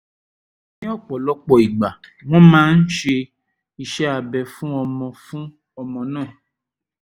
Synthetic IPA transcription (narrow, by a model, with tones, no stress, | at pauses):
nĩ˦ɔ˦˨k͡pɔ˨lɔ˦k͡pɔ˨i˨ɡ͡ba˨w̃ɔ̃˦mãː˦n̩˦ʃe˧ | i˧ʃɛ˦a˧bɛ˧fũ˦ɔ˧mɔ̃˧fũ˦ | ɔ˧mɔ̃˧nãː˦˨